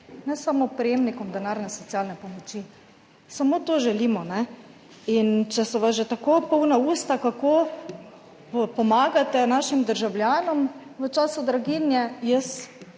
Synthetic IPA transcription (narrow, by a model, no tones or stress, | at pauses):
nɛsamopɾɛjemnikɔmd̪ɛnaːɾnɛsɔt̪sialnɛpɔmɔt͡ʃi | samot̪oʒɛliːmɔnɛ | int͡ʃɛsɛʋasʒet̪akopɔwnauːst̪akako | pɔmaːɡat̪ɛnaːʃimd̪əɾʒawlʲjaːnɔmʋət͡ʃaːsud̪ɾaɡinjɛjəs